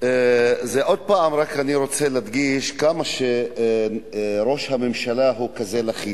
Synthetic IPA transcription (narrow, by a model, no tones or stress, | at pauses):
zeʔo̞d̪̚paːmɾakaniɾo̞t͡selad̪ɡiʃkamaʃe | ɾo̞ʃhamemʃalaɦukazelaχi